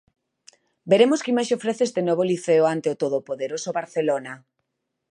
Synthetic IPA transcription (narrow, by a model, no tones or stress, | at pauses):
beɾemoskimajsofɾeθeest̪enɔβoliθeʊant̪eot̪oðopoðeɾosoβaɾθelona